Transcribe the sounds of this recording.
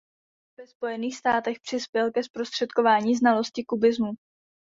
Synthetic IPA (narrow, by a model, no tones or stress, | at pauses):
vɛspo̞jɛniːxst̪aːt̪ɛxpr̝̥ɪspjɛlkɛspɾo̞st̪r̥ɛt̪ko̞vaːɲiːznalo̞scɪkubɪzmu